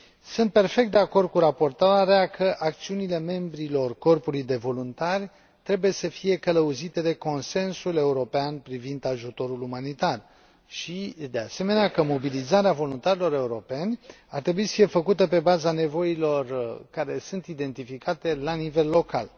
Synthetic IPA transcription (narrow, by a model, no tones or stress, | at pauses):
sunt̪̚pe̞rfe̞k̚t̪̚d̪e̞ako̞rd̪̚kuɾapo̞rt̪aɾeakʰəʔak̚t̪siunile̞me̞mbɾilo̞rko̞rpulujd̪e̞vo̞lunt̪arʲ | t̪ɾe̞buje̞səfije̞kələuzit̪e̞d̪e̞ko̞nse̞nsule̞uɾo̞peanpɾivind̪aʒut̪o̞ɾulumanit̪ar | ʃid̪e̞ase̞me̞neakəmo̞bilizaɾeavo̞lunt̪aɾilo̞ɾe̞uɾo̞pe̞nʲ | art̪ɾe̞buisə̥fije̞fəkut̪əpe̞bazane̞vo̞ilo̞rkaɾe̞sunt̪id̪e̞nt̪ifikat̪e̞lanive̞lːo̞ka̰l